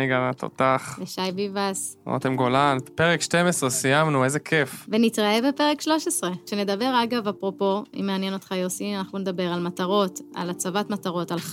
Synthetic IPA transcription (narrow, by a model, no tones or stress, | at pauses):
iɡanat̪o̰t̪aχjaʃajbivaso̰t̪emɡolanpeʁekʃtemesʁesijamnuezekʰefvenitʁaebe̞pe̞ʁekʃlo̞ʃesʁe̞ʃene̞d̪abe̞ʁaɡavapʁo̞po̞ḭmeanjeno̞t̪χajosianaχnuned̪abe̞ʁalmataʁo̞t̪a̰lat͡savatmataʁo̞tal